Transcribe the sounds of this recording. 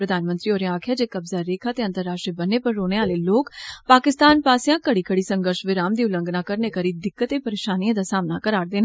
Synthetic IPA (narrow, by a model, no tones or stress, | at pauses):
pɾəd̪ʱaːnmə̃nt̪ɾiːoːɾeaːkʰjaːd͡ʒeːkəbzaːɾeːkʰaːt̪eːə̃nt̪əɾːaːʃʈɾibənːeːpəɾːoːneːaːleːloːkpaːkɪst̪aːnpaːsɪjãːkəɽiːkəɽiːsə̃ŋɡəɾʃʋɪɾaːmd̪iːʊlə̃ŋɡnãːkəɾneːkəɾiːd̪ɪkːət̪epəɾeːʃaːniãːd̪aːsaːmnakəɾaːɾd̪eːna